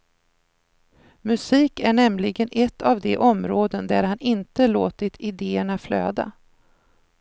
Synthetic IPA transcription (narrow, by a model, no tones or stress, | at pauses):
mɵsiːkæɳɛmlɪɡənʔɛt̪ʰːavd̪ɛʔɔmɾoːd̪ənd̪æɾhanɪnt̪əloːt̪ɪt̪ʰɪd̪eːəɳaflø̰ːd̪a̰